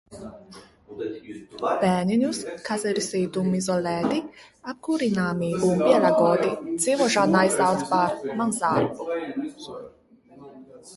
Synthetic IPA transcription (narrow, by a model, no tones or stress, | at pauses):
bɛːninuskʰazɛɾsid̪umːizɔlɛːd̪iap̚kuɾinamibumbiɛlaɡɔd̪it͡sivɔʒanajzawt̪baɾmanzaːlu